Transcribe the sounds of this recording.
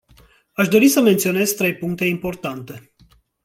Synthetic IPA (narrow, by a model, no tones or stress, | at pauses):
aʃd̪o̞ɾisəment̪sio̞ne̞zt̪ɾe̞jpuŋk̚t̪e̞impo̞rt̪ant̪e̞